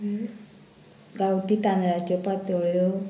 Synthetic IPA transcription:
ɡawt̪it̪ãnɾat͡ɕɔpat̪oɭjo

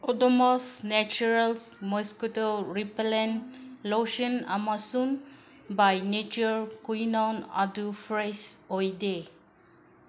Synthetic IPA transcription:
ɔdɔmɔsnɛt͡ʃuɾalsmɔskutoɾipelenloʃɔnamasun | bajnet͡ʃɔɹkujnɔna̰dufɾesɔjde

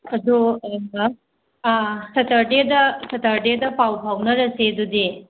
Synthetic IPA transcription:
ɐd̪uɐɐmbɐ | sʰɐtʰɐɾdedɐsʰɐtʰɐɾdedɐpawpʰawnɐɾɐsedudi

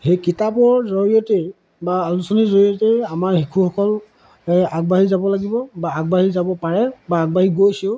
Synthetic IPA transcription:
hejkitapɔɹzɔɹiɔte | baːlusɔnizɔɹijɔteamaɹhikʰuxɔkɔl | aɡ̚baɦizabɔlaɡibɔbaːɡ̚baɦizabɔpaɹɛbaːɡ̚baɦiɡojsiʊ

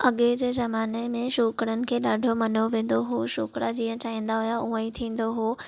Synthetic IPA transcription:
ɐɠed͡ʑezɐmaːnemẽʃuːkɾənɪ̆kʰeːɗaːɖʱomɐnoʋẽːn̆d̪oɦoːʃʊːkɾad͡ʑĩːə̃t͡ɕaːĩːn̆d̪aɦujauə̃ĩt̪ʰĩːn̆d̪oɦoː

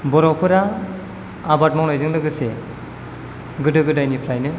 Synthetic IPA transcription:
bɔɾɔwpʰɯɾaː | bat̚mawnajzɯŋdɯɡɯse | ɡɯdɯɡɯdajnipʰɾajnɯ

